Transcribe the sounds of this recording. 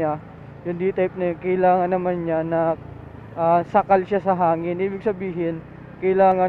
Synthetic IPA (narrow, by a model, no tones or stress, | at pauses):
a | jʊnd̪it̪ajp̚nɐkɐɪlaːŋɐnːɐmanɲanɐ | ʔasɐkalʃasɐɦaːŋɪnʔiːbɪɡ̚sɐbiːɦɪn | kɐɪlaːŋɐ